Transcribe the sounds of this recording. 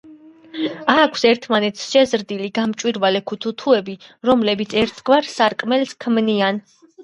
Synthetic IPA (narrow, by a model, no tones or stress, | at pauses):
aːkʷʰsɛɾt̪ʰmanɛt̪ʰsʃɛzɾd̪iliɡamt͡ʃʼwiɾvalɛkʰut̪ʰut̪ʰuɛbiɾɔmlɛbit̪sʰɛɾt̪ʰɡvaɾsaɾkʼmɛlskʰmnian